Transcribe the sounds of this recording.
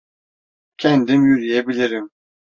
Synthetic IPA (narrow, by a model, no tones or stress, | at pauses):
cʰɛnd̪imjyɾijebilʲiɾim